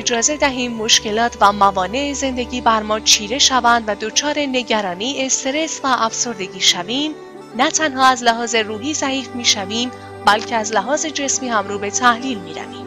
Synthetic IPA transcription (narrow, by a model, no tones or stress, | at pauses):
ed͡ʒɒːze̞d̪æɦiːmːo̞ʃce̞lɒːt̪ʰvæmævɒːne̞eze̞nd̪e̞ɟiːbæɾmɒːt͡ʃʰiːɾe̞ʃævænd̪væd̪o̞t͡ʃʰɒːɾe̞ne̞ɟæɾɒːniːe̞st̪eɾe̞svæʔːfso̞ɾd̪e̞ɟiːʃæviːm | næt̪ʰænɦɒːæzlæɦɒːze̞ruːɦiːsæhiːfmiːʃæviːm | bælcʰe̞æzlæɦɒːze̞d͡ʒe̞smiːhæmɾuːbe̞t̪ʰæhliːlmiːɾæ̰viːm